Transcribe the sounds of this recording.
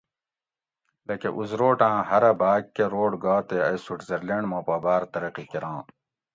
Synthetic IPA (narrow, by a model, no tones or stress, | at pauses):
lɐkeʔuzɾoːʈãːhɐɾɐbaːkkːeɾoːɽɡaːt̪eɐjsuʈzɐɾleɳmõːpɐːbaːɾt̪ɐɾɐqikiɾãː